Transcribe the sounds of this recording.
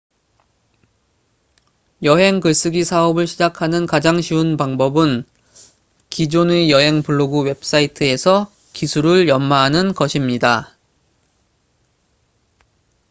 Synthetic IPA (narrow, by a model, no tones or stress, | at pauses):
jʌɦe̞ŋkɯɭs͈ɯɡisʰaʌbɯɭɕʰid͡ʑakʰanɯnkad͡ʑaŋɕʰiunpaŋbʌbɯn | kid͡ʑonejʌɦe̞ŋpuɭːoɡuwe̞p̚s͈aitʰɯe̞sʰʌ | kisʰuɾɯɭjʌmmaɦanɯnkʌɕʰimɲida